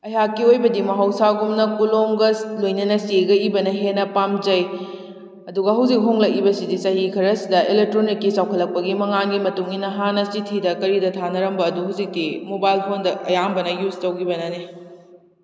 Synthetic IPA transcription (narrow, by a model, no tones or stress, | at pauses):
ɐɦakːiojbɐdimɐɦawsaɡumnɐkulomɡɐslojnɐnɐseɡɐibɐnɐɦenɐpamd͡ʒɐj | ɐduɡɐɦɐwzik̚ɦoŋlɐk̚ibɐsidisɐhikʰɐɾɐsidɐʔelek̚tɾonikːisawkʰɐlːɐk̚pɐɡimɐŋanɡimɐtuŋinːɐɦanɐsitʰidɐkɐɾidɐtʰanɐɾɐmbɐːduɦawzik̚dimobajlpʰondɐʔɐ̰jaŋbɐnɐjuztɐwɡibɐnɐne